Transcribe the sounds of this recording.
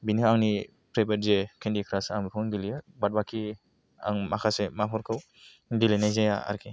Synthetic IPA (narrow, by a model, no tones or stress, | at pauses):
binkaŋni | pɾabaɾzekʰendikʰɾasaŋɾɔŋɡilijɯbat̚bakʰi | a̰ŋmakʰasemapʰɔɾkʰɯw | dilenajzajaa̰ɾkʰi